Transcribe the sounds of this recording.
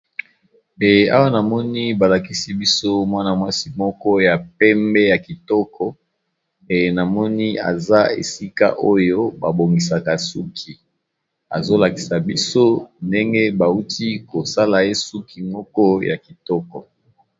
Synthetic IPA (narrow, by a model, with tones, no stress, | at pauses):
e˨a̰˦wa˦na˨mɔ˦ni˦ba˨la˨ki˦si˦bi˦so˦mwa˦na˨mwa˦si˦mɔ˦kɔ˦ja˨pɛ˦mbɛ˦ja˨ki˨tɔ˦kʰɔ˨ | e˨na˨mɔ˦ni˦a̰˨za˦ḛ˨si˦ka̰˦ʔo˦jo˦ba˨bo˨ŋɡi˨s̬a˨ka˨su˦kʰi˨ | a˨zo˦la˨ki˨sa˨bi˦so˦nde˦ŋɡɛ˦ba˨u˦tʰi˦ko˨sa˦la˨je˦su˦kʰi˨mɔ˦kɔ˦ja̰˨ki˨tɔ˦kɔ˨